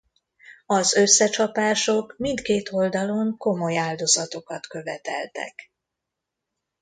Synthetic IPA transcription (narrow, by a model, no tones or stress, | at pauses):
ɒzø̞sːɛt͡ʃɒpaːʃo̞kmint̪keːt̪ʰo̞ld̪ɒlo̞ŋko̞mo̞jaːld̪o̞zɒt̪o̞kɒt̪kø̞vɛt̪ɛ̰lt̪ɛ̰k